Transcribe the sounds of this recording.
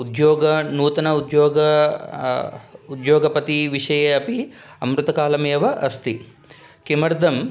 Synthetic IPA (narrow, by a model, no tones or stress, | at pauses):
ud̪joːɡɐnuːt̪ɐnɐud̪joːɡɐ | ud̪joːɡɐpɐt̪iʋiʂɐjɐɐpiɐmɾut̪ɐkaːlɐmeːʋɐʔɐst̪i | kimɐɾd̪ʱɐm